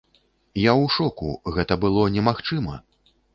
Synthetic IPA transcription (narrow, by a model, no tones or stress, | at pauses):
jawʂɔkṵɣɛt̪ɐbɨlˠɔnʲɛmaxt͡ʂɨmɐ